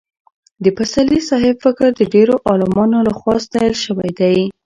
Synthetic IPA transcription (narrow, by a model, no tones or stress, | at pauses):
d̪əpasalisɑɦɪbfɪkəɾd̪əɖeɾoʔɑlɪmɑnolaxwɑst̪ɑjɑlʃəwajd̪aj